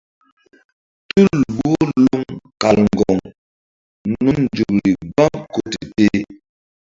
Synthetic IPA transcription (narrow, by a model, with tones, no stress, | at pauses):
tu˦˨lbo˦lu˦ŋka˨lŋ˨ɡɔ˨ŋ | nu˦d͡ʒu˨k̚ɾi˨ba˦ŋko˦ti˨te˦